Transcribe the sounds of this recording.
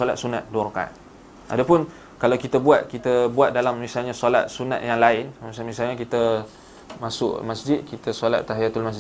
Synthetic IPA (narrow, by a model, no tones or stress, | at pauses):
ola̰t̪̚suna̰t̪̚duɾoka̰n | ʔa̰dapʊn | kalawkit̪əbuat̪̚kit̪əbuat̪̚dalamːisalɲasola̰t̪̚suna̰ʔ̪jaŋlaɪnmsamisalɲakit̪ə | masʊ̰ʔmasd͡ʒɪt̪̚kit̪əsola̰t̪ːaɦjat̪ulmas̬d͡ʒ